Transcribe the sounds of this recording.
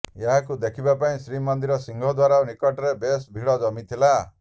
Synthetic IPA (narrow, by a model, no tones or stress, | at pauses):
eɦakud̪ekʰibapaĩsɾimɔnd̪iɾɔsiŋɡʱɔd̪waɾaunikɔʈɔɾebesbʱiɭɔd͡ʒɔmit̪ʰila